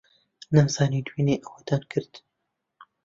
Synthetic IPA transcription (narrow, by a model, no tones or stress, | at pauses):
nɐmsɑːnid̪wiːneːʔɐxat̪ankʰɨɾt̪